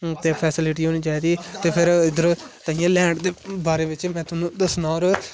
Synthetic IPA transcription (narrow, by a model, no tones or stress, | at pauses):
t̪eːpʰɛːsɪlɪʈ̬iːɦoːniːt͡ʃaːiːd̪iɛt̪eːpʰɪɾɪd̪əɾt̪əĩjãːlɛ̃ːɳɖd̪eːbaːɾeːʋɪt͡ʃmɛ̃ːt̪ʊnũːd̪əsnaːɔːɾ